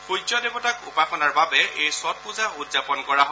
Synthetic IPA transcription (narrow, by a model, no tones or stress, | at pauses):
xud͡ʒɔdebɔtakṵpaxɔnaɹbabɛejsɔt̚puzaʔudzapɔnkɔɹaɦɔ